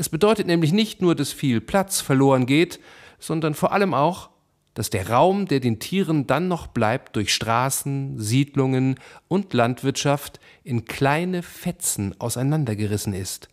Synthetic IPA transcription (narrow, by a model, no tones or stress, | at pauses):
ʔɛsb̥ədɔʏtətnɛːmlɪç̬nɪçtnuːɐdasfiːlpl̥at͡sfɛɐloːʁ̞ənɡeːt | z̥ɔndɐnfoːɐʔaləmaʊx | d̥asd̥eːɐʁaʊmdeːɐdeːntʰiːʁəndanːɔχb̥laɪp̚t̚d̥ʊɐçʃtʁ̥aːsn̩ziːdlʊŋənʔʊntlantv̥ɪɐtʃaft | ʔɪnkʰl̥aɪnəfɛt͡sn̩ʔa̰ʊsaɪnandɐɡəʁɪsn̩ɪst